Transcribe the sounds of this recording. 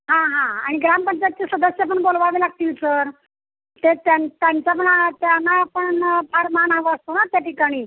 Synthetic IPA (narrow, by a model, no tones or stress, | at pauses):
ɦãɦãaɽ̃iɡɾampənd͡ʑət̪̚t͡ɕesəd̪əsjap̬əɳbolʋaʋilaɡ̚t̪iːlsəɾ | t̪et̪jant̪jaɲt͡sap̬əɳat̪janːapəɳpʰaɾmanaʋəəst̪onat̪jaʈikaɽ̃iː